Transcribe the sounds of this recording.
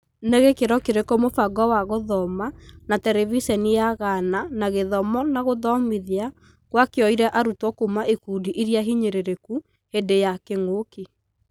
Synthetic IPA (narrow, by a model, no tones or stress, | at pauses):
neɣekeɾɔkeɾekɔmofaɡɔwaɣoðɔmanatɛɾɛvisɛnijaɣananaɣeðɔmɔnaɣoðɔmiðea | kwakeɔiɾɛʔaɾutwɔkumaʔekudiʔiɾiaɦiɲeɾeɾeku | hedejakeŋoki